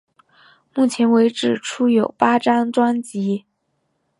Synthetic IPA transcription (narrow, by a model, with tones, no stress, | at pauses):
mu˥˩t͡ɕʰjɛ˧˥nwe˧˥ɪʈ͡ʂɻ̩˨˩ʈ͡ʂʰu˥jo˨˩ʊpa˥ʈ͡ʂa˥nʈ͡ʂwa˥nt͡ɕi˧˥